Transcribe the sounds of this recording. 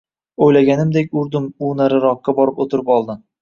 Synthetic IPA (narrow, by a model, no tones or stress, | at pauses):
ojlaɡʲanɪmd̪ekʲʊɾd̪ʊmunaɾɪɾɒqːɑbɒɾɪpot̪ʰɪɾɪpɒlˠd̪ɪm